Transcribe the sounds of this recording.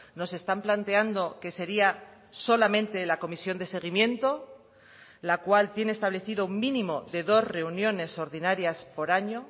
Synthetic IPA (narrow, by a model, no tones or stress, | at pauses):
no̞se̞st̪amplant̪e̞and̪o̞ke̞se̞ɾia | so̞lamẽ̞nt̪e̞lako̞misjo̞nd̪e̞se̞ɣ̞imjẽ̞nt̪o̞ | lakwalt̪je̞nest̪aβle̞θiðouŋmĩnĩmo̞ðe̞ðo̞zre̞unjo̞ne̞so̞ɾðinaɾjaspo̞ɾaɲo̞